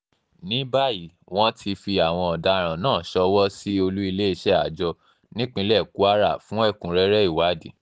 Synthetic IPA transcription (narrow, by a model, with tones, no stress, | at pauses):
nĩ˨˦ba˦˨ji˨˦ | w̃ɔ̃˦tʰi˧fi˧a˨w̃ɔ̃˧ɔ˨da˧ɾ̃ã˨nãː˦˨ʃɔ˧˦wɔ˦si˦o˧lu˦i˧le˦i˧ʃɛ˦a˨d͡ʒɔ˧ | nĩ˦k͡pĩ˧˦lɛ˦˨ku˦a˦ɾa˦˨fũ˦ɛ˦˨kũ˨˦ɾɛ˦ɾɛ˦i˦˨wa˨˦di˨